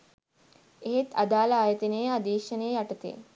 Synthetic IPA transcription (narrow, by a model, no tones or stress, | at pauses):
eɦet̪ad̪aːlaːjət̪inejad̪iːʃɐneːjaʈɐt̪ḛː